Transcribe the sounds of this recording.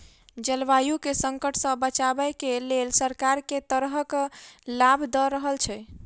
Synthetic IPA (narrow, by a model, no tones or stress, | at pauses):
d͡ʒəlʋajukesəŋkəʈʰsə̃bət͡ʃabəkelelsəɾkaɾket̪əɾɦəklabd̪əɾəɦəlt͡ʃʰɛ